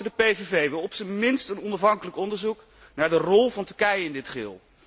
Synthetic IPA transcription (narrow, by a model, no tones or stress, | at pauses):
ədəpejvevejʋɛlˠɔpsəmɪnstənɔnɑfɦɑŋkələkɔndəɹzuk | naːɹdərɔlˠvɑntɵɹkɛjəɪndɪtχɪ̰ːlˠ